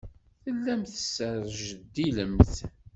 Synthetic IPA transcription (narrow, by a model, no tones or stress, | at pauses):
θəlːæmθəsːəɾˤʒəd̪ːiləmθ